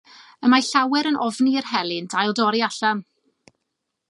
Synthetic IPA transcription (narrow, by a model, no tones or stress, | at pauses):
əmaɬawɛɾənʔɔvniərɦɛlˠɪndajlˠdɔɾiaɬam